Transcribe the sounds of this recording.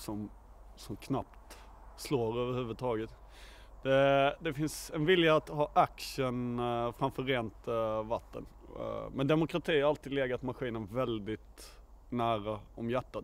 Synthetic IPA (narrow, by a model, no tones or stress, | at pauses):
sɔm | sɔmkʰnap̚t̪ | sloːɾøːvəɾhʉːvəd̪̚t̪ʰɑːɡət̪ | d̪̥ɛd̪ɛfɪnsɛnvɪljaːt̪ɦɑːʔakʂənfɾamfœɾeːnt̪vat̪ːə̰n | mɛnd̪ɛmʊkɾat̪ʰiːhaɾalt̪iːd̪leːɡat̪maɧiːnənvɛld̪ɪt̪ | næːɾaɔmjæʈːat̪